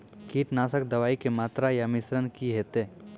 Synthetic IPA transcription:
kiːʈnaːsək̚d̪ɐʋaːikemaːt̪ɾajamɪsɾənkiɦeːt̪e

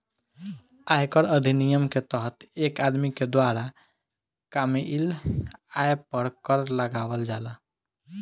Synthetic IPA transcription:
ajkəɾəd̪ʱinijəmket̪əɦət̪ekad̪miked̪waɾa | kamiʔilajpəɽkəɾləɡaʋəld͡ʒala

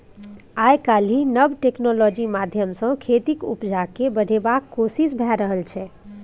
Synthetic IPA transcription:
ajkalinəbʈeknɔlɔd͡ʒimad̪ʱjəmsə̃kʰet̪ikṵpd͡ʒakebəɽ̤ebakːosisbʱaɾəɦəlt͡ʃʰɛ

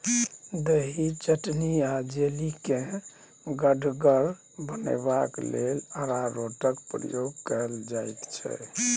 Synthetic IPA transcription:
d̪eɦit͡ʃəʈniad͡ʒelikẽ | ɡəɖʱɡəɾ | bənɛ̰bakleləɾaɾoʈəkpɾə̰joɡkəld͡ʒajt̪t͡ʃʰɛ̰

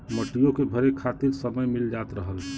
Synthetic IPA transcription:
məʈijokebʱəɾekʰat̪iɾsəməjmild͡ʒat̪ɾəɦəl

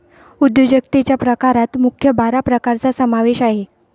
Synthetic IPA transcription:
ud̪jod͡ʑəkt̪et͡ɕjapɾəkaɾat̪mukʰjəbaɾapɾəkaɾt͡sasəmaʋeɕaɦe

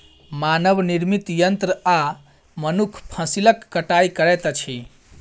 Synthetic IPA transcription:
manəbniɾmit̪jənt̪ɾəa | mənukʰpʰəsiləkːəʈajkəɾɛt̪t͡ʃʰi

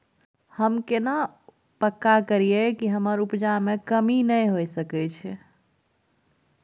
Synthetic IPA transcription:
həmkena | pəkːakəɾijekiɦəməɾupd͡ʒamekəminəjɦojsəkɛt͡ʃʰɛ

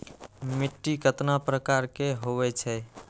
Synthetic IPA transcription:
miʈːikət̪napɾəkaɾkeɦoβɛt͡ʃʰɛ

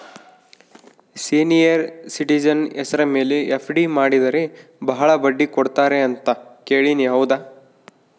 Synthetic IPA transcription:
siːnijɐɾsiʈid͡ʒɐnɛsɐɾɐme̞ːleʔepʰɖimaːɽid̪ɐɾebɐɦɐɭɐbɐɖːikoɽt̪aːɾeɐnt̪ɐkeːɭiniɦɐwd̪aː

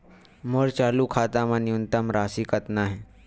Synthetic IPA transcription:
məɾt͡ɕaluːkʰat̪amaniunt̪əmɾasiːkət̪naɦe

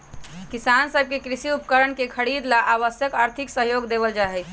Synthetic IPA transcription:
kisansəb̚ʱkekɾisiupkəɾənkekʰəɽid̪laʔaʋəsjəkaːɾt̪ʰiksəɦjoɡd̪ebəld͡ʒaɦɛ

